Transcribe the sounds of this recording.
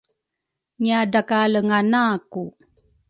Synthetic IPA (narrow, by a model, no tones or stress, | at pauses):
ɲiadakaləŋanaːku